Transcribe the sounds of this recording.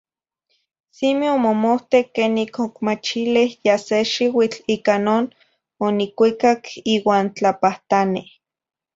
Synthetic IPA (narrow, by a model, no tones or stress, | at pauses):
simiomomoht̪ekːeːnikokmat͡ʃilihjaseʃiwit͡ɬiːkanoːn | onikʷikakiːwaːnt͡ɬapaht̪ani